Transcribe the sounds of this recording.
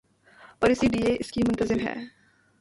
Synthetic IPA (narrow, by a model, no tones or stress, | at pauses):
pɐɾɪsilieʔɪskimʊ̃nt̪əzɪmɦɛ̰ː